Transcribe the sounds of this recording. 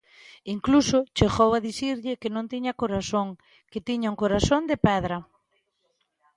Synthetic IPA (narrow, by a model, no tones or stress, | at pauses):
iŋklusʊt͡ʃeɣowaðiθiɾʎɪkenõnt̪iɲɐkoɾasoŋ | ket̪iɲauŋkoɾasond̪epɛðɾɐ